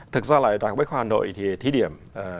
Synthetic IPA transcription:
t̪ʰɨ˨˩k̚zaː˧la̰ː˧˨jɗaː˨˩k̚ɓə˨˦˥jxwaː˧haː˨˩no̰˧˨jt̪ʰi˨˩t̪ʰi˨˦ɗi˧˩əmʔː

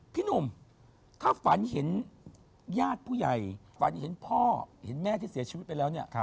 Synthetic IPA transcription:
pʰi˦˥˩no˧m | t̪ʰaː˥˩fa˩˦nhe˩˦n | jaː˥˩t̪̚pʰuː˥˩ja˨˩j | fa̰˩˦nhe˩˦npʰɔː˥˩he˩˦nmɛː˥˩t̪ʰiː˥˩si˨˦t͡ɕʰi˧˦˥t̪̚pa˧jlɛː˦˥wni˥˩ɐ˧

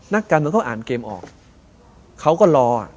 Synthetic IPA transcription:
na˦˥˩kːaː˧nma˧ŋkɔː˥˩ʔaː˨˩nkeː˧mʔɔ̰ː˨˩k̚ | kʰːa˦˥wkɔː˥˩lɔː˧a̰˨˩

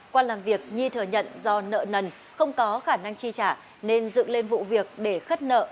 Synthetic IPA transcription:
kwaː˧laː˨˩mvi˨˩ək̚ɲi˧t̪ʰɨ˨˧˩əɲə̰˧˨nzɔ˧nə̰ː˧˨nə˨˩n | xə˧wŋ͡mkɔ˨˦xaː˧˩na˧ŋt͡ɕi˧t͡ɕaː˧˩ | ne˧nzɨ̰˧˨ŋle˧nvṵ˧˨vi˨˩ək̚ɗe˧˩xə˦˥t̚nə̰ː˧˨

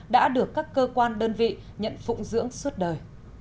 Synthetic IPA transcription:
ɗa̰ː˧˥ɗɨ˨˩əkːaː˦˥kːəː˧kwaː˧nɗəː˧nvḭ˧˨ | ɲə̰˧˨nfʊ̰˧˥ŋ͡mzɨ̰˧˥əŋswə˦˥t̚ɗəː˨˩j

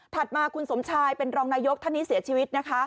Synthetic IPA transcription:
t̪ʰa˨˩t̪̚maː˧kʰu˧nso˩˦mt͡ɕʰaː˧jpe˧nɾɔː˧ŋnaː˧jo˦˥k̚t̪ʰa˥˩nːi˦˥si˨˩˦ɐt͡ɕʰiː˧wi˦˥t̪̚na˦˥kʰa˦˥

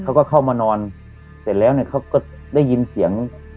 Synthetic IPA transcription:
kʰa˦˥wkɔː˥˩kʰa˥˩wmaː˧nɔː˧n | se˨˦nlɛː˦˥˩wniː˧˥˩kʰa˥˩wkɔː˥˩ | da˥˩jːi˧nsi˨˩˦əŋ

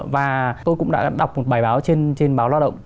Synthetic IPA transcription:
vaː˨˩t̪o˧jkʊ̰˧˥ŋ͡mɗa̰ː˧˥ɗa˨˩wk͡p̚mo˨˩t̚ɓaː˧˩jɓaː˨˦wt͡ɕe˧nt͡ɕe˧nɓaː˨˦waː˧˩ɗə̰˧˨ŋ͡m

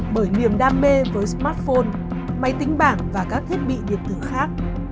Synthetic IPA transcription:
ɓəː˧˩jni˨˩əmɗaː˧mːe˧vəː˨˦jsmaː˦˥t̚fo˧n | ma˧jt̪ï˨˦ŋ̟ɓaː˧˩ŋvaː˨˩kaː˦˥k̚t̪ʰi˦˥ət̚ɓḭ˧˨ɗḭ˨˩əp̚t̪ɨ˧˩əxaː˦˥k̚

